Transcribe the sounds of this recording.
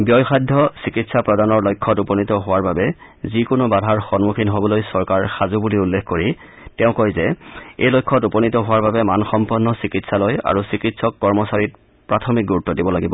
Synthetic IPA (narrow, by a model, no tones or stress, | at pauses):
bjɔjxadʱːɔsikitsapɹɔdanɔɹlojkʰːɔtupɔnitɔɦʊwaɹbabɛ | zikʊnobadʱaɹxɔnmukʰinɦobɔlojsɔɹkaɹxazubuliulːekʰkoɹi | tɛʊ̃kojzɛḛjlojkʰːɔtupɔnitɔɦʊwaɹbabɛmanxɔmpɔnːɔsikitsaloja̰ɹusikitsɔkːɔɹmɔsaɹit̚ | pɹatʰɔmik̚ɡuɹutːɔdibɔlaɡibɔ